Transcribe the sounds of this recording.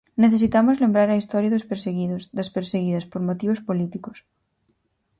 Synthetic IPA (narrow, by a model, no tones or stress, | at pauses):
neθes̬it̪amʊzlembɾaɾɐist̪ɔɾjaɐðospeɾseɣiðosd̪ɐspeɾseɣiðɐspoɾmot̪iβ̞ospolit̪ikos